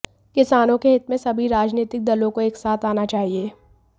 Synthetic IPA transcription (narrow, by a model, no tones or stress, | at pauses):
kɪsaːnõkeɦɪt̪mẽsɐbʱiɾaːd͡ʒniːt̪ɪk̚d̪ɐlõkoeːksaːt̪ʰaːnat͡ʃaːɦieː